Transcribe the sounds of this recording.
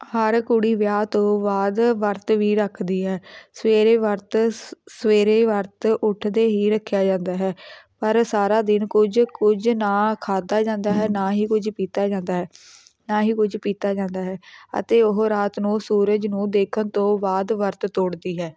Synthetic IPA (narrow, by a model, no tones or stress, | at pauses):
həɾkʊɽiːʋjaːt̪õːʋaːd̪ʋəɾt̪ʋiːɾəkʰd̪iːɦɛːsəʋeːɾeːʋəɾt̪səʋeːɾeːʋəɾt̪ʊʈʰd̪eːɦiːɾəkʰːjaːd͡ʒãːnd̪aːɦɛːpəɾsaːɾaːd̪ɪnkʊd͡ʒkʊd͡ʒnaːkʰaːd̪aːd͡ʒãːnd̪aːɦɛːnaːɦiːkʊd͡ʒpiːt̪aːd͡ʒãːnd̪aːɦɛː | naːɦiːkʊd͡ʒpiːt̪aːd͡ʒãːnd̪aːɦɛːə̰t̪eːʊɦɾaːt̪nũːsuːɾəd͡ʒnũːd̪eːkʰənt̪õːʋaːd̪ʋəɾt̪t̪oːɽd̪iːɦɛː